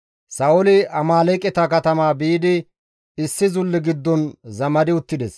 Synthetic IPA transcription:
sɐʊlɪɐmaːlɛkʼɛt̪ɐkɐt̪ɐmaːbiːd̪ɪ | ɪsːɪzʊlːɪɡɪd̪ːɔnzɐmɐd̪ɪʊt̪ːɪd̪ɛs

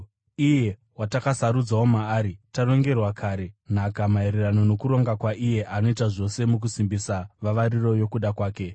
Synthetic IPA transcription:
ije̞ | watakasaɾud͡zawo̞maːɾitaro̞ŋɡe̞rwakʰaːɾe̞n̤akamaeɾerano̞no̞kuɾo̞ŋɡakwaʔije̞ʔano̞itaʐo̞se̞muk̬usimbisaʋaʋaɾiro̞jo̞kuɗakwaːke̞

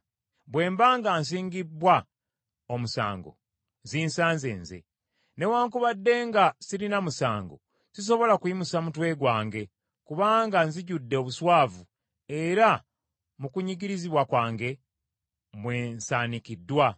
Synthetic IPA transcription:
bwe̞ːmbaːŋɡaːns̬iːŋɡibːwa | omusa̰ːŋɡo̞̰ | ziːnsaːnzḛːnzḛ | ne̞waːŋkuβadːe̞ːŋɡasilinamusaːŋɡo̞̰ | sis̬o̞βo̞lakuimusamutwe̞ɡwaːŋɡe̞ | kuβaːŋɡanziɟudːe̞oβuswaːvu | e̞ɾa | mukuɲiɟiɾiziβwakwaːŋɡe̞ | mwe̞ːnsaːnikidːwa

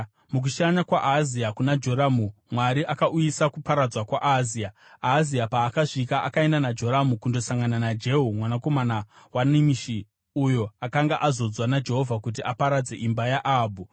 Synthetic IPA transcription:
muk̬uʃaɲakwaʔaziakunad͡ʒo̞ɾamumwaɾiʔakaʔujisakupaɾad͡zwakwaʔazia | aziapaːkaʐikaʔakae̞ndanad͡ʒo̞ɾamukundo̞saŋɡananad͡ʒe̞ɦumwanako̞manawanimiʃi | ujo̞akaŋɡaʔazo̞d͡zwanad͡ʒe̞ɦo̞vʱakut̬iʔapaɾad͡ze̞ʔimbajaʔaːbʱu

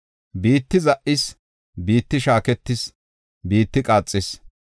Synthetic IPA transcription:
biːt̪ːɪzɐʔɪs | biːt̪ːɪʃaːkɛt̪ːɪs | biːt̪ːɪkʼaːt͡sʼːɪs

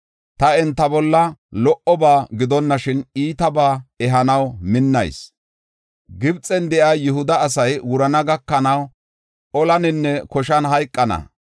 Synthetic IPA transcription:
t̪ɐɛnt̪ːɐbɔlːɐlɔʔɔbaːɡɪd̪ɔnːɐʃɪniːt̪ɐbaːɛɦɐnɐwmɪnːɐ̰js | ɡɪbt͡sʼɛnd̪ɛʔaːjʊɦʊd̪ɐːs̬ɐjwʊɾɐnɐɡɐkːɐnɐw | ɔlɐnɪnːɛkɔʃ̬ɐnɦɐjkʼːɐnɐ̰

